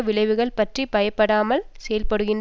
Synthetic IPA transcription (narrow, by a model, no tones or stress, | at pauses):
ʋɪɭɐɪʋɯɣɐɭpɐʈripɐjɐpːɐɽaːmɐlsɛjɐlpɐɽɯɣɪn